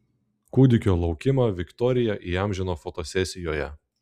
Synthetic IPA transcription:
kud̪ʲɪkʲoːlˠɒʊkʲɪmɑːʋʲɪkt̪ɔɾʲɪjɛʔiːɑˑmʲʒʲɛnoːfɔt̪osʲɛsʲɪjoːjɛ

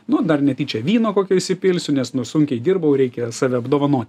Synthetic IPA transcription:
nʊd̪ɐrnʲɛt̪ʲiːt͡ʃʲɛʋʲiːnoːkoːkʲoːɪʃʲsʲɪpʲɪlʲsʲʊnʲɛsnʊsʊŋʲkʲɛɪd̪ʲɪːrbɐʊɾʲɛɪkʲɛsɑːʋʲɛɐbd̪oːʋɐnoːt̪ʲ

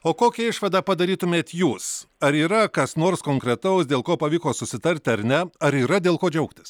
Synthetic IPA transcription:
oːkoːkʲɛɪʃʋɐd̪ɑːpɐd̪ɐɾʲiːt̪ʊmʲeːt̪juːsɐɾiːɾɐkɐsnoːɾskoːŋkɾʲɛt̪ɐʊsd̪ʲeːlˠkoːpɐʋʲiːkoːsʊsʲɪt̪ɐɾʲt̪ʲɪɐɾʲnʲɛɐɾiːɾɐd̪ʲeːlˠkoːd͡ʒʲɛʊkt̪ʲɪ̥s

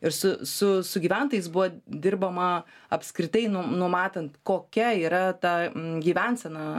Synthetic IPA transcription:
ɪɾsʊsʊsʊɡʲiːʋʲænt̪oːjɛɪsbʊʋɐd̪ʲɪrbɐmɐɐpʲskɾʲɪt̪ɐɪnʊnʊmɑːt̪ɐnt̪koːkʲɛiːɾɐt̪ɑɡʲiːʋʲænsʲɛnɐ

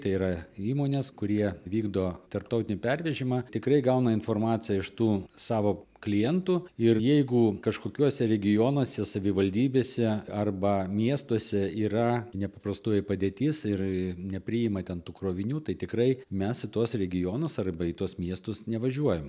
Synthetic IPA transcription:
t̪ɐɪiɾɐiːmoːnʲeːskʊɾʲiɛʋʲiːɡd̪oːt̪ɐrp̚t̪ɐʊt̪ɪnʲɪpʲɛɾʲʋʲɛʒʲɪmɑt̪ʲɪkɾɐɪɡɐʊnɐɪnfoːrmɑːt̪t͡s̪ʲɪjɛɪʃt̪uːsɑːʋoːklʲɪjɛnt̪uːɪrjɛɪɡʊkɐʃkoːkʲuɔsʲɛɾʲɛɡʲɪjoːnuɔsʲɛsɐʋʲɪʋɐlʲd̪ʲiːbʲeːsʲɛɐrbɐmʲiɛst̪uɔsʲɛiːrɐnʲɛpɐpɾɐst̪uːjɛpɐd̪ʲeːt̪ʲɪːsɪrnʲɛpʲɾʲɪjɪmɐt̪ʲɛnt̪uːkɾoːʋʲɪnʲuːt̪ɐɪt̪ʲɪkɾɐɪmʲɛsɪt̪uɔsɾʲɛɡʲɪjoːnosɐrbɐɪt̪uɔsmʲiɛst̪ʊsnʲɛʋɐʒʲuɔjɛm

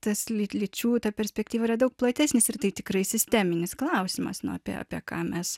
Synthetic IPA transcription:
t̪ɐslʲɪlʲɪt͡ʃʲuːt̪ɑːpʲɛɾʲsʲpʲɛkt̪ʲiːʋɐiɾɐd̪ɐʊk̚plˠɐt̪ʲæːsʲnʲɪsɪrt̪ɐɪt̪ʲɪkɾɐɪsʲɪsʲt̪ʲæmʲɪnʲɪsklˠɐʊsʲɪmɐ̰snʊ̰ɐ̰pʲḭɛɑ̰ːpʲiɛkɑːmʲɛs

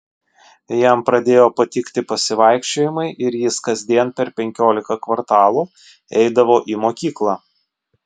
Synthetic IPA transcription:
jæˑmpɾɐd̪ʲeːjoːpɐt̪ʲɪkt̪ʲɪpɐsʲɪʋɐɪkʃʲt͡ʃʲoːjɪmɐɪʔɪɾjɪskɐzʲd̪ʲiɛnpʲɛɾpʲɛŋʲkʲoːlʲɪkɐkʋɐɾt̪ɑːlˠuː | ɛɪd̪ɐʋoːʔiːmoːkʲiːklˠɑː

